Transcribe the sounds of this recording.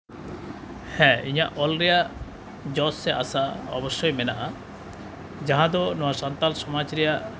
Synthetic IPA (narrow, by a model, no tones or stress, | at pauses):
hɛ̃iɲaʔɔlɾija | d͡ʒɔsːeʔa̰saɔ̰bɔʃːɔjmenaʔa | d͡ʒaɦãd̪ɔnɔasant̪alsɔmat͡ʃɾija